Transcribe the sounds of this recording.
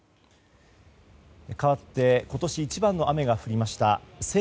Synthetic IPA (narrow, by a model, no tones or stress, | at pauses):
kaβat̪ːe̞ko̞t̪o̞ɕiːt͡ɕibãnːo̞ʔame̞ɡaɸɯ̟ɾʲimaɕi̥t̪a̰se